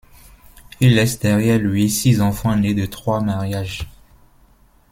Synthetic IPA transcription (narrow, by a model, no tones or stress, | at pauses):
ilːɛsd̪ɛʁjɛʁlɥisizɑ̃fɑ̃ned̪ət̪χwamaʁjaʒ